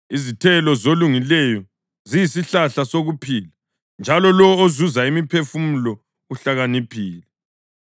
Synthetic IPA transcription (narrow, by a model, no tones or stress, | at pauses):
izitʰɛlɔzoluŋilɛjɔ | zijisiɬaɬasoɣupʰila | nd͡ʒʱalɔlɔozuzaimipʰefumulɔ | uɬaɣanipʰiːlɛ